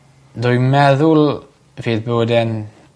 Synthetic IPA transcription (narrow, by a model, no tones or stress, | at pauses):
d̪ɔjmɛðul | vedboːdɛn